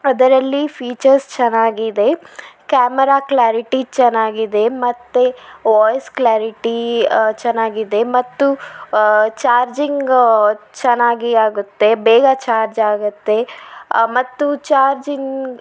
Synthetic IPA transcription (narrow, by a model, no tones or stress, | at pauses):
ɐd̪ɐɾɐlːipʰiːt͡ʃɐɾst͡ʃɐnːaːɡid̪e̞kaːmɐɾaːklaːɾiʈit͡ʃɐnːaːɡid̪e̞mɐt̪ːeʋɔːjsklaːɾiʈit͡ʃɐnaːɡid̪e̞mɐt̪ːu | t͡ʃaːɾd͡ʒiŋɡt͡ʃɐnːaːɡiaːɡut̪ːe̞bɛːɡɐt͡ʃaːɾd͡ʒaːɡut̪ːe̞ | mɐt̪ːut͡ʃaːɾd͡ʒiŋɡ